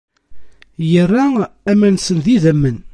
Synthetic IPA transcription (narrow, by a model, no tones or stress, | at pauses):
jərːææmænsənðiðəmːən